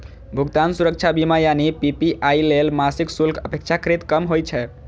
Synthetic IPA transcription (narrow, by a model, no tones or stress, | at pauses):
bʱuɡt̪ansuɾək̚t͡ʃʰabimajanipipiʔailelmasiksulkʰəpek̚t͡ʃʰakəɾet̪kəmɦojt͡ʃʰɛ